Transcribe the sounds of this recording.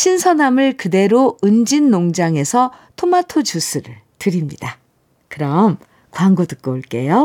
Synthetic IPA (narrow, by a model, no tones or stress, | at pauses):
ɕʰinsʰʌnamɯɭkɯde̞ɾoɯnd͡ʑinːoŋd͡ʑaŋe̞sʰʌtʰomatʰot͡ɕusʰɯɾɯɭtɯɾimɲida | kɯɾʌm | kwaŋɡutɯk̚k͈ooɭk͈e̞jo